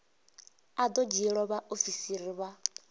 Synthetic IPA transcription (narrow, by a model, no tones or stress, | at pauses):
ad̪ɔd͡ʒiɺɔβaʔofisiɾiβa